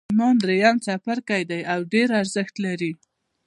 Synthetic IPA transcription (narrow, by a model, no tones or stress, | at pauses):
mɑnd̪ɾejamt͡sapaɾkajd̪ajawɖeɾaɾzəxt̪laɾi